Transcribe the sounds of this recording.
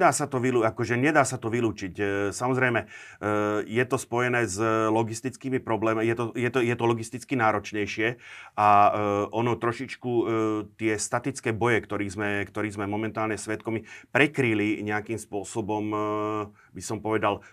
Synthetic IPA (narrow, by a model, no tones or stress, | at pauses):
d̪aːsat̪ɔʋiluakɔʒɛɲɛd̪aːsat̪ɔʋiluːt͡ʃicsamɔzɾɛjmɛ | jɛt̪ɔspɔjɛnɛːzlɔɡist̪it͡skiːmipɾɔblɛːmjɛt̪ɔjɛt̪ɔjɛt̪ɔlɔɡist̪it͡skinaːɾɔt͡ʃɲɛjʃɪɛaʔɔnɔt̪ɾɔʃit͡ʃkut̪ɪɛst̪at̪it͡skɛːbɔjɛkt̪ɔɾiːzmɛkt̪ɔɾiːzmɛmɔmɛnt̪aːlɲɛsʋɛt̪kɔmipɾɛkɾiliɲɛakiːmspʊɔsɔbɔm | bisɔmpɔʋɛd̪al